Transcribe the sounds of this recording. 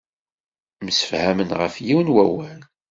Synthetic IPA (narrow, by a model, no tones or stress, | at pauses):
msə̥fhæmənʁəfjiwnwæwæn